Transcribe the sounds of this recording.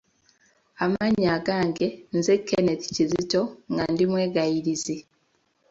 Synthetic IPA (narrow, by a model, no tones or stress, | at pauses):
amaɲːaːɡaːŋɡe̞nzekːene̞ti̥cizito̞ŋɡandimwe̞ːɡajiɾizi